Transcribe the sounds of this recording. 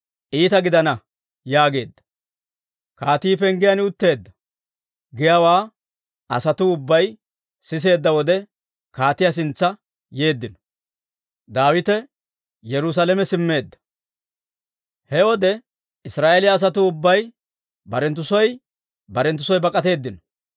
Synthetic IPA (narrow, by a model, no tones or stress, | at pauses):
ʔiːt̪ɐɡɪd̪ɐnɐ | jaːɡe̞ːd̪ːɐ̥ | kaːt̪iːpɛŋɡɪjɐnɪʊt̪ːe̞ːd̪ːɐ | ɡɪjawaː | ɐ̰sɐt̪ʊʊbːɐj | sɪs̬e̞ːd̪ːɐwɔd̪ɛ | kaːt̪ɪjas̬ɪnt͡sːɐ | je̞ːd̪ːɪnɔ̥ | d̪aːwɪt̪ɛ | jɛɾʊsalɛmɛsɪmːe̞ːd̪ːɐ̥ | hɛwɔd̪ɛ | ɪsɾaːʔelɪjɐːs̬ɐt̪̬ʊʊbːɐj | bɐɾɛnt̪ːʊsɔj | bɐɾɛnt̪ːʊsɔjbɐkʼɐt̪e̞ːd̪ːɪnɔ